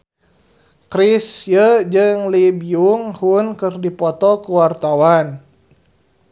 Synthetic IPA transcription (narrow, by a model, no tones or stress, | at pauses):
kɾisjəd͡ʒɨŋlibiuŋhunkɨrdipɔt̪ɔkuwart̪awan